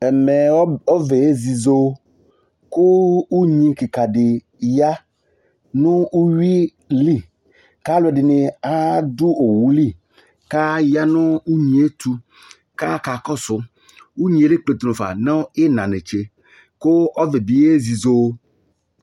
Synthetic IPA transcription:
ɛ˨mɛ˨˦ɔ˦ve˨e˦zi˨zo˦ | kʊ˦u˦ɲĩ˦ki˨ka˨dɪ˨ | ja˦ | nʊ̃˦u˦ɥi˦ | li˦˨ | ka˦lʊ˦ɛ˨dɪ˨nɪ˨a˦d̪ʊ˦o˨wu˨li˦˨ | ka˦ja˦nʊ̃˦u˦ɲĩ˨˦e˦t̪u˦ | ka˦ka˨kɔ˦sʊ˦ | wu˦ɲĩ˨e˨le˦k͡ple˨t̪u˨nʊ̃˨fa̰˨nɔ˦ɪ˦nã˨nɛ˨t͡ʃe˨ | kʊ˦ɔ˦vɛ˨bi˨˦e˦zi˨zo˦

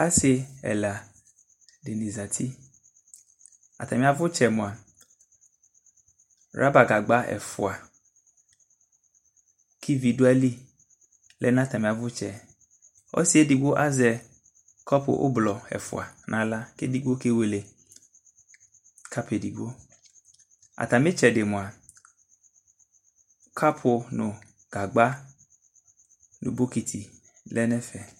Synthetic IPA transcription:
a˦sɪ˨ɛ̰˨la˨ | de˨nĩ˨za˨tʰi˦ | a̰˨t̪a˨mĩ˨a˨vʊ˦t͡ʃɛ˨mʊ̃˨a˨ | ɾa˦ba˨ɡa˨ɡ͡ba˦ʔɛ̰˨fʊ̰˨a˨ | kʰi˦vi˨du˦a˦li˦ | lɛ˦nã˦˨t̪a˨mɪ̃˨a˨vʊ˦t͡ʃɛ˨ | ɔ̰˦si˦ɛ˦di˨ɡo˦ʔa˦zɛ˨ | kɔ˦po̰˨ʔo̰˦blɔ˨ɛ̰˨fʊ̰˨a̰˨nʔã˨la˦ke˦di˦ɡ͡bo˦ke˦we˨le˨ | ka˦pe˨di˨ɡ͡bo˦ | a̰˨t̪a˨mẽ˦t͡ʃɛ˨ɖe˨mõ˨a˨ | kʰa˦pʰo˨nʊ̃˨ | ɡ̥a˨ɡ͡ba˦ | nṵ̃˨bo˦ki˨t̪ʰi˨ | lɛ˦nɛ̃˦fɛ˨

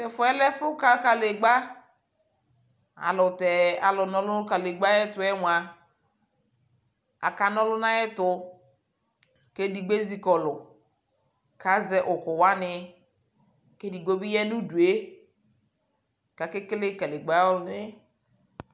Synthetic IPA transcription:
tɛ˨fʊ˨ɛ˦lɛ˦fʊ˦ka˦ka˨le˨ɡ͡ba˦ | a̰˨lʊ˨tɛ˨a˨lɔ˨nɔ˨lʊ˦ka˨le˨ɡ͡ba˦jɛ˦tʊ˨ɛ˦wʷa˨ | a̰˨ka˨nɔ˦lʊ˦na˦jɛ˦tʊ˨ | ke˦di˨ɡ͡be˦zi˨kɔ˨lʊ˨ | ka˨˦zɛ˦ʔʊ˨kʊ˨wa˦nɪ˦ | ke˦di˨ɡ͡bo˦bi˦jɛ˦nu˦du˨e˦ | ka˨ke˦kle˦ka˨le˨ɡ͡ba˦ɔ˦lnɪ˦

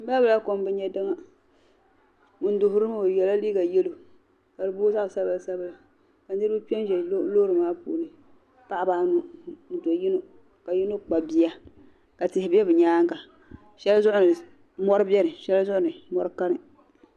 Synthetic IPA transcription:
m̩˦ba˦bɨ˨la˦ko˨mbɨ˦ɲɛ˦dɨ˦ŋa˦ | mʊ˨n˦dʊ˨ɦʊ˦ɾɨ˦ma˦o˨jɛ˨la˦li˦ɡa˨je˦lo˨ | ka˨dɨ˨boː˦za˦ʔsa˦ba˨la˨sa˦bɨ˦la˨ | ka˨nɨ˦ɾɨ˦pi˦ɛ˦n˦ʒɛ˨˦lo˦ɾɨ˨maː˦pṵː˦nɨ˨ | pa˦ʔa˨baː˨˦nu˦n̩˨do˨ji˦no˦˨ | ka˨ji˦no˦k͡pa˨bi˦a˦ | ka˨tɪ˨hɪ˨bɛ˦bɨ˨ɲaː˦ŋka˨ | ʃɛ˦lzʊ˦ʔʊ˦nɨ˨ | mɔ˦ɾɨ˦bɛ˦ɾɨ˨ʃɛ˦la˦zʊ˦ʔʊ˦nɨ˨mɔ˦ɾɨ˦ka˦nɨ˨

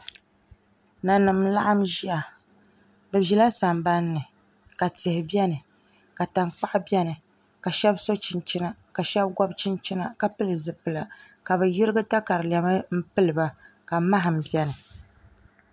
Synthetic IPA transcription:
na˨nɨ˨mla̰˦ʔa˦mʒi˦a˨ | bɨ˨ʒi˨la˦sa˨mba˦nːɨ˨ | ka˨tɪ˨hɪ˨bjɛ˦nɨ˨ | ka˨ta˨ŋk͡pa˦ʔbi˦ɛ˦nɨ˨ | ka˨ʃɛ˦bso˦t͡ʃɪ˨nt͡ʃi˦na˨ka˨ʃɛ˦bɡɔ˦bt͡ʃɪ˦nt͡ʃi˦na˦ka˨pɨ˦lɨ˨zɨ˨pɨ˨la˨ | ka˨bɨ˨ji˦ɾɨ˦ɡɨ˦ta˦ka˨ɾɨ˨lɛ˨ma˦m̩˦pɨ˦lɨ˨ba˦ | ka˨ma˦ɦɨ˨m̩˨bi˦ɛ˦nɨ˨

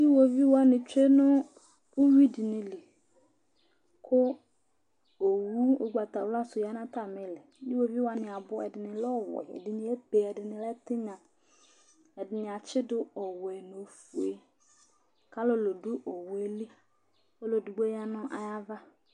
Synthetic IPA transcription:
ji˦wo˨vi˦wa˦nɪ̃˨t͡ʃe˦nʊ˦ | ʊ˦wi˦dɪ˨nɪ̃˨li˨ | kʰʊ˦ | o˨wu˦o˨ɡ͡ba˨t̪a˨wla˦sʊ˨ja˦nã˦t̪a˦˨mɪ˨lɪ˨ji˦wo˨vi˦wa˦nɪ̃˨a˨bʊ˦ɛ̰˨dɪ˨nɪ̃˨lɔ˦˨wɛ̰˨dɪ˨nɪ̃˨ɛ˦be˨ɛ˨dɪ˨nɪ̃˨lɛ˦t̪ɪ˦ɲã˨ | ɛ˨dɪ˨nɪ̃˨a˨t͡ʃɪ˦dʊ˦ɔ˨wɛ˨no˨fu˨e˨ | ka˦lo˦lo˨dʊ˦ʔo˨we˦li˦ | o˦lo˨dʊ˨ɡ͡bo˦ja˦nʊ̃˦ʔa̰˨ja˦va˦

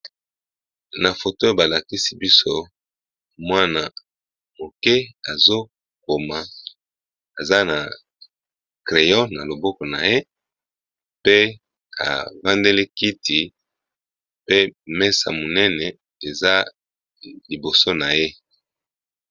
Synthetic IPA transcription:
na˨fo˨to˦ba˨la˨ki˦si˦bi˦so˦ | mwa˦na˨ | mo˨kɛ˦a˨zo˦ | ko˨ma˨ | a˨za˦na˨ | kʁe˨jɔ˦na˨lo˨bɔ˦kɔ˨na̰˨je˦ | pe˦ | a̰˨va˦nde˦li˦ki˦ti˨ | pe˦mɛ˦sa̰˨mo˨nɛ˦nɛ˨ | e˨za˦ | li˨bo˨so˦na˨je˦

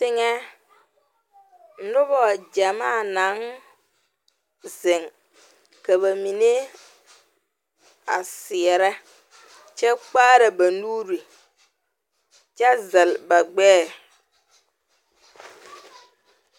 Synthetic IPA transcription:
tɪ˦ŋɛ˦ | n̩˦nʊ˦βɔ˨d͡ʒa˨ma˦˨na˨˦ŋ | zɪ˨ŋ | ka˨βa˨mi˨ne˦ | a̰˨sɪ˨ɛ˨ɾɛ˦ | t͡ʃɛ˦k͡paː˦ɾe˨ba˨nu˦ɾi˨ | t͡ʃɛ˦zɛ˨lba˨ɡ͡bɛː˦

